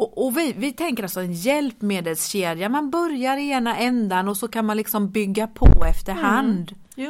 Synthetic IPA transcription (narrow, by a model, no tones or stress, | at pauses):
ɔʔɔvɪvɪt̪ʰɛŋkəɾalsɔɛnjɛlpmeːd̪əlsɕeːd̪jamanbœɾjaɾɛːnaʔɛnd̪anɔsɔkʰanmanlɪksɔmbʏɡːapʰɔ̰ɛft̪əɾɦand̪